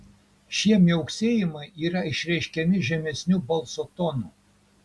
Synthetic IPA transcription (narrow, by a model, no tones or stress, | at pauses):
ʃʲiɛmʲjɛʊksʲeːjɪmɐɪiːɾɐɪʃʲɾʲɛɪʃʲkʲɛmʲɪʒʲɛmʲɛsʲnʲubɐlˠsot̪ɔnuˑ